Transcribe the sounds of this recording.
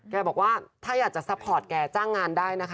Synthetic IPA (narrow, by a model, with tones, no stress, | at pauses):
kɛː˧bɔː˨˩k̚waː˥˩t̪ʰaː˥˩jaː˨˩k̚t͡ɕa˨˩sa˦˥pʰːɔː˨˩t̪̚kɛː˧t͡ɕaː˥˩ŋːaː˧ndaː˥˩jna˦˥kʰ